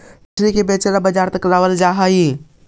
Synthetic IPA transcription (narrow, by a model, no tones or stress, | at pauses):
sɾikebet͡ʃelabəd͡ʒaɾt̪əklawəld͡ʒaɦəji